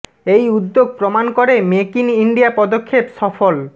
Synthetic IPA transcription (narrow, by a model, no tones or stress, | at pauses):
ejud̪ːoɡ̚pɾomankoɾemekiniɳɖiapɔd̪okʰːepsɔfol